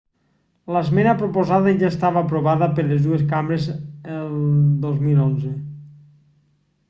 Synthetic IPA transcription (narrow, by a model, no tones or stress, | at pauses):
lazmɛnapɾopozaðaʒaest̪aβaːpɾoβaðəpəɾlezðueskambɾezelˠd̪ozmilonze